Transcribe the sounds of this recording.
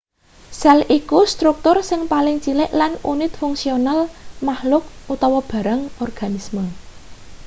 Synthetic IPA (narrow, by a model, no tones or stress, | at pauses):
sɛlʔikust̪ɾuk̚t̪ʊrsɪŋpalɪŋt͡ʃilɪʔlanunɪt̪̚fʊŋsionalmahlʊk̚ut̪ɔwɔb̥ä̤ɾaŋɔrɡ̥a̤nismə